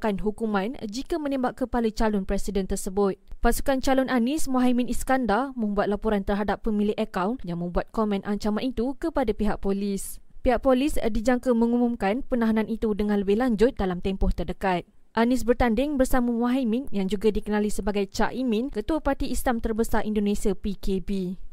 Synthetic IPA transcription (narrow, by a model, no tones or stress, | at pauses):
kanɦukumãnd͡ʒikamə̃nɛ̃mbaʔkəpalət͡ʃalɔnpɾɛsidɛnt̪ərsəbʊt̪̚pasu̥kant͡ʃalɔnʔanɪsmaɦimĩniskandarmə̃mbuat̪̚lapɔɾant̪ərɦadapːəmĩlɪhʔəkawnjaŋmə̃mbuat̪̚komɛ̃nʔaɲt͡ʃamanit̪ukəpadapiɦaʔpolispiɦaʔ̚polisdid͡ʒaŋkəmə̃ŋumumkanpənaɦanãnit̪udəŋãnləbɪhlaɲd͡ʒʊt̪̚dalamt̪ɛmpɔht̪ərdəkat̪̚ | ʔanɪs̬bərt̪andɪŋbərsamamwaɦamĩnjaŋd͡ʒuɡadikənalisəbaɡajt͡ʃaʔimɪ̃nkət̪uapart̪iːslamt̪ərbəsarʔindonẽsiapikʰebi